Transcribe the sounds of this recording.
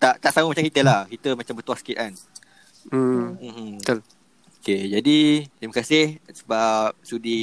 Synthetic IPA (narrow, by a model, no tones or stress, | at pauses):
t̪aʔt̪aʔsaməmat͡ʃamŋkit̪əlahkit̪əmat͡ʃambərt̪uasə̥kit̪an | ol | oked͡ʒadit̪ɾimakasɪhsə̥bap̚sudi